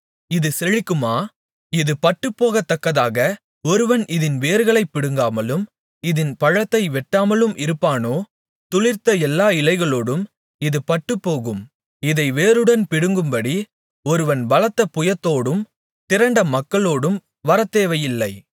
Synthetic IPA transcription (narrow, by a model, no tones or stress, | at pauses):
ɪðɯsɛɻɪkːɯmaː | ɪðɯpɐʈːɯpːoːɣɐt̪ːɐkːɐðaːɣɐ | ɔɾɯʋɐnɪðɪnʋeːɾɣɐɭɐɪpːɪɽɯŋɡaːmɐlɯm | ɪðɪnpɐɻɐt̪ːɐɪʋɛʈːaːmɐlɯmʔɪɾɯpːaːnoː | t̪ʊɭɪɾt̪ɐɛlːaːɪlɐɪɣɐɭoːɽɯm | ɪðɯpɐʈːɯpːoːɣɯm | ɪðɐɪʋeːɾɯɽɐnpɪɽɯŋɡɯmbɐɽi | ɔɾɯʋɐnʋɐlɐt̪ːɐpʊjɐt̪ːoːɽɯm | t̪ɪɾɐɳɖɐmɐkːɐɭoːɽɯm | ʋɐɾɐt̪ːeːʋɐjɪlːɐɪ